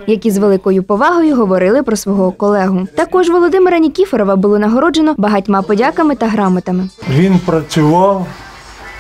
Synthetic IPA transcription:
jɐkʲizʋelˠɪkɔjʊpɔʋɑɦɔjʊɦɔʋɔɾɪlˠɪpɾɔsʋɔɦɔkɔlˠɛɦʊt̪ɐkɔʒʋɔlˠɔd̪ɪmeɾɐnʲikʲifeɾɔʋɐbʊlˠɔnɐɦɔɾɔd͡ʒenɔbɐɦɐtʲmɑpɔdʲɑkɐmɪt̪ɐɦɾɑmɐt̪ɐmɪʋʲinpɾɐt͡sʲʊʋɑw

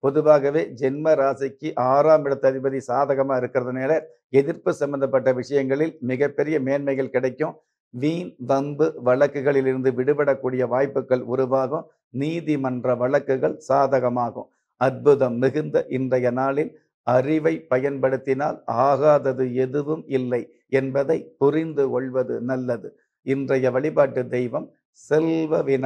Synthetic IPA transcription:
pɔðɯʋaːɣɐʋeːd͡ʒɛnmɐɾaːsɐkːɯʔaːɾaːmɪɽɯt̪ːɐðɪbɐðisaːðɐɣɐmaːɪɾɯkːɪrɐðɐneːlɐɾ | ɛðɪɾpɯsɐmbɐnd̪ɐpːɐʈːɐʋɪʂɐjɐŋɡɐɭɪlmɪɣɐpːɛɾɪjɐmeːnmɐɪɣɐɭkɪɽɐɪkːɯ̃ | ʋiːnʋɐmbɯʋɐɭɐkːɯɣɐɭɪlɪɾɯnd̪ɯʋɪɽɯpɐɽɐkːuːɽɪjɐʋaːjpːɯkːɐɭʊɾʊʋaːɣɯ̃ | niːðimɐndrɐʋɐɭɐkːɯɣɐɭsaːðɐɣɐmaːɣɯ̰̃ | ɐɾ̚bɯðɐmːɪɣɯnd̪ɐʔɪndrɐjɐnaːlɪn | ɐɾɪʋɐɪpːɐjɐnpɐɽɯt̪ːɪnaːlaːɣaːðɐðɯɛðɯʋɯmɪlːɐɪ | ɛnbɐðɐɪpʊrɪnd̪ɯkɔɭʋɐðɯ̰nɐlːɐðɯ | ɪndrɐjɐʋɐɭɪpaːʈːɯd̪ɛjʋɐm | sɛlʋɐʋɪnɐ

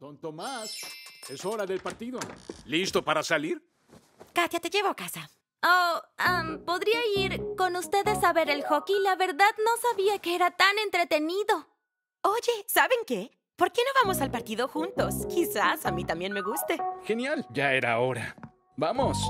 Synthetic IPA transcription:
t̪ont̪omaseso̞ɾaðelpaɾt̪iðo̞list̪o̞paɾasaliɾ | kat̪jat̪e̞ʝe̞βoakasa | oampo̞ðɾiaiɾko̞nust̪e̞ðe̞saβe̞ɾe̞lxo̞kilaβe̞ɾðaðno̞saβiakeeɾat̪ane̞nt̪ɾet̪e̞niðo̞ | o̞ʝe̞saβe̞ŋke̞ | po̞ɾke̞no̞βamo̞salpaɾt̪iðo̞xunt̪o̞skisasamit̪ambje̞nme̞ɣust̪e̞xe̞njalʝae̞ɾa̰oɾa | bamos

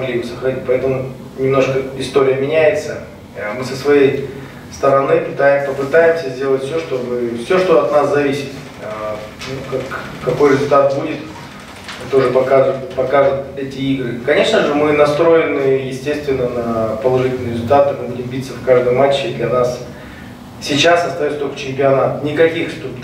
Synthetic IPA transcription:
mɡlʲibɨsəxɾɐnʲit̚ʲpɐɛt̪əmʊ | nʲɪmno̞ʂkəɪst̪oɾʲɪjəmʲɪnʲæjɪt̪sə | mɨsəsvɐjej | st̪əɾɐnɨpɨt̪aɪpəpɨt̪ajɪmsʲəzʲdʲe̞lˠətʲfsʲoʂt̪o̞bɨfsʲo̞ʂt̪o̞ɐt̪naszɐvʲisʲɪ̥t̪ | nukakː | ɐko̞jɾʲɪzʊlʲt̪at̪̚budʲɪt̪ | t̪oʐɨpɐkapɐkaʐɨt̪ɛtʲɪiɡɾɨkɐnʲe̞ʂnəʐɨmɨnɐst̪ɾo̞jɪnɨjɪsʲtʲe̞st̪vʲɪnːənɐpəlˠɐʐɨtʲɪlʲnɨjɾʲɪzʊlʲt̪at̪ɨmɨbudʲɪmbʲit̪səfkaʐd̪əjmat͡ɕːɪd̪lʲɐnas | sʲɪt͡ɕasɐst̪ɐjot̪t̪olʲkə̥t͡ɕɪmʲpʲɪɐnat̪nʲɪkɐkʲixʂt̪up

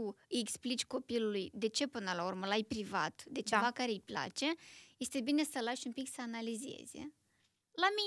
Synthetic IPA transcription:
uɨjeksplit͡ʃʲko̞pilulujd̪e̞t͡ʃe̞pɨnəlaurməlajpɾiva̰t̪d̪e̞t͡ʃevakaɾe̞ɨjpla̰t͡ʃe̞je̞st̪e̞bine̞səlaʃumpiksəanalize̞̰z̥̰ʲ | lami

